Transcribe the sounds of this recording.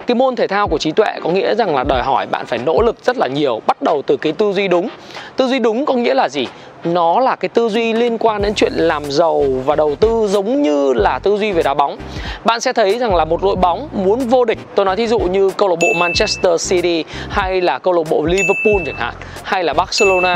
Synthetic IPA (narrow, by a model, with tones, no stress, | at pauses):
kaː˨˦jmo˧nt̪ʰe˧˩t̪ʰaː˧wku˧˩ət͡ɕi˨˦t̪wḛ˧˨kɔ˨˦ŋḭ˧˥əza˨˩ŋlaː˨˩ɗɔː˨˩jɦɔ˧˩jɓa̰ː˧˨nfaː˧˩jno̰˧˥lɨ˨˩k̚zə˦˥t̚laː˨˩ɲi˨˩əwɓa˦˥t̚ɗə˨˩wt̪ɨ˨˩kaː˨˦jt̪ɨ˧zwi˧ɗʊ˨˦ŋ͡m | t̪ɨ˧zwi˧ɗʊ˨˦ŋ͡mkɔ˨˦ŋḭ˧˥əlaː˨˩zi˨˩ | nɔ˨˦laː˨˩kaː˨˦jt̪ɨ˧zwi˧li˧ənkwaː˧nɗe˨˦nt͡ɕwḭ˧˨ənlaː˨˩mzə˨˩wvaː˨˩ɗə˨˩wt̪ɨ˧zə˨˦wŋ͡mɲɨ˧laː˨˩t̪ɨ˧zwi˧ve˨˩ɗaː˨˩ɓa˨˦wŋ͡m | ɓa̰ː˧˨nsɛ̰˧˥t̪ʰə˨˦jza˨˩ŋlaː˨˩mo˨˩t̚lo̰˧˨jɓa˨˦wŋ͡mmu˨˦ənvo˧ɗï˨˩ŋ̟̚t̪o˧jnɔ˨˦t̪ʰi˨˦zṵ˧˨ɲɨ˧kə˧wlo˧˩ɓo̰˧˨maː˧nt͡ɕɛ˦˥st̪əː˧si˧ti˧ha˧jlaː˨˩kə˧wlo˧˩ɓo̰˧˨li˧və˧pu˧nt͡ɕəː˧˩nha̰ː˧˨ŋ | ha˧jlaː˨˩ɓaː˦˥t̚se˧lo˧naː˧